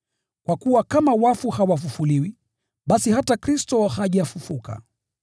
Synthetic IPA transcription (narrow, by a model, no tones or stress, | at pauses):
kwakuwakamawafuhawafufuliwi | ɓasihatakɾistɔhaʄafufuka̰